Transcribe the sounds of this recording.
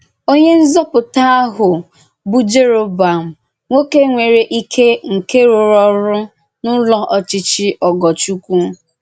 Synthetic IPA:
o˦ɲe˦n̩˦zɔ˦pʊ˨ta˦a˦ɦʊ˨ | bu˦d͡ʒe˦ɾo˨ba˨m̩˨ | ŋʷo˦ke˦ŋʷe˨ɾe˨ʔi˦kʰe˦ŋ̩˨ke˦ɾʊ˨ɾɔ˦ɾʊ˦ | nʊ˦lɔ˦ʔɔ˨t͡ʃɪ˨t͡ʃɪ˦ʔɔ˨ɡɔ˨t͡ʃu˦kʷu˦

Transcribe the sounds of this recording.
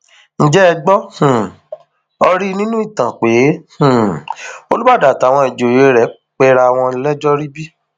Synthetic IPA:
ñ̩˦d͡ʒɛ˦ɛ˧ɡ͡bɔ˦hũ˨ | ɔ˧ɾi˦nĩ˦nũ˦i˦˨tã˨k͡pe˨˦hũ˨o˧lu˦ba˦˨da˨ta˨w̃ɔ̃˧e˨d͡ʒo˨je˨˦ɾɛ˨˦ | k͡pɛ˧ɾa˧w̃ɔ̃˧i˧lɛ˦d͡ʒɔ˦ɾi˦bi˦

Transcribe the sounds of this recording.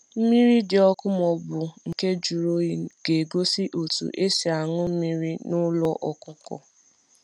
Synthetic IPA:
m̩˦mi˦ɾi˦dɪ˨ɔ˦kʊ˦mɔ˨bʊ˨ŋ̩˨ke˦d͡ʒu˨ɾo˦i˨ɡ̥e˨ɡo˦si˦ʔo˨tṵ˨ʔe˦si˨a˨ŋʊ˦m̩˦mi˦ɾi˦nʊ˦lɔ˦ʔɔ˨kʊ˦kɔ̰˨

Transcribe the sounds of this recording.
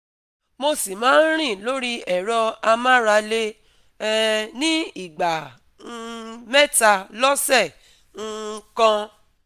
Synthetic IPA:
mo˧si˨mãː˨˦n̩˦ɾ̃ĩ˦˨lo˦ɾi˦ɛ˨ɾɔ˧a˧mã˦ɾa˧le˧˦ | nĩ˦i˦˨ɡ͡ba˨˧ | mɛ˦ta˧lɔ˦sɛ˦˨ | ŋ̩˧kã˧

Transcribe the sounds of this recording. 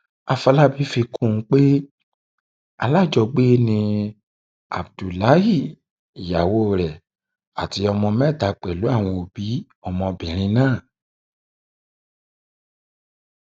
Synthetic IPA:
a˧fa˧la˦bi˦fi˧kũ˦˨˦k͡pe˦ | a˧la˦˨d͡ʒɔ˧˨ɡ͡be˦nĩ˧ | a̰˨bdu˨la˨˦hi˦˨ | ja˨wo˦˨ɾɛ˨ | a˨ti˧ɔ˧mɔ̃˧mɛ˦˨ta˨˦k͡pɛ˨lu˨˦a˦˨w̃ɔ̃˧o˨b̥i˨˦ | ɔ˧mɔ̃˧bĩ˨ɾ̃ĩ˧nãː˦˨

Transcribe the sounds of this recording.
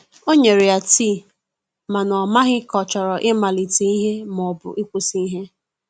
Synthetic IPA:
o˦ɲe˨ɾɪ˨a˨ti˦˨ | ma˨nɔ˨ma˦ɣɪ˦kɔ˨t͡ʃɔ˨ɾɔ˨ʔɪ˦ma˨li˨ti˨˦i˦ɦe˦mɔ˨bʊ̰˨ʔi˦kʷu˦si˦ɦe˦

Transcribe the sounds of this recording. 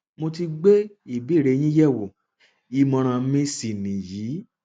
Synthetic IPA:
mo˧ti˧ɡ͡be˦i˦˨bi˨˦˨ɾe˨˧˦j̃ĩ˦jɛ˦˨wo˨ | i˧mɔ̃˧ɾ̃ã˧˦mĩ˧si˨nĩ˨jiː˨˦

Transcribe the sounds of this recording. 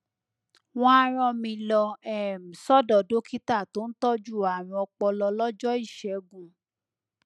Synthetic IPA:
w̃ɔ̃˦a˧ɾ̃ɔ̃˧mĩ˧lɔ˧ɛ˨m̩˨sɔ˦dɔ˨do˦ki˦ta˦˨to˦n̩˦tɔ˦d͡ʒu˦˨a˨ɾ̃ũ˧ɔ˧k͡pɔ˧lɔ˧lɔ˦d͡ʒɔ˦i˦˨ʃɛ˨˦ɡũ˨

